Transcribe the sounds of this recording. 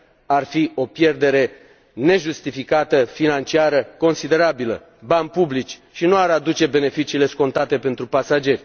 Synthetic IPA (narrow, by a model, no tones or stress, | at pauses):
arfio̞pje̞rd̪e̞ɾe̞ | ne̞ʒust̪ifikat̪əfinant͡ʃiaɾəko̞nsid̪e̞ɾabilə̰ | banpublit͡ʃʃinuaɾad̪ut͡ʃe̞be̞ne̞fit͡ʃiːle̞sko̞nt̪at̪e̞pe̞nt̪ɾupasad͡ʒe̞rʲ